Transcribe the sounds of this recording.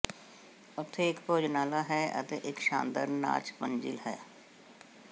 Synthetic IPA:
ʊt̪ʰːeɪkpoːd͡ʒnaːlaːɦɛːə̰t̪eːʔɪkʃã̰ːnd̪əɾna̰ːt͡ʃpənd͡ʒḭːlɦɛː

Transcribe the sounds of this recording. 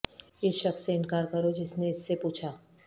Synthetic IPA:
ɪsʃɐksːeɪnkaːɾkɐɾod͡ʒɪsneɪsːepuːt͡ʃʰaː

